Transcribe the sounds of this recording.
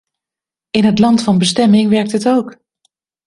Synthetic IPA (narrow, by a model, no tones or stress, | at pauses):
ɪnɦətlɑntfɑnbəstɛmɪŋʋɛɹk̚tətowk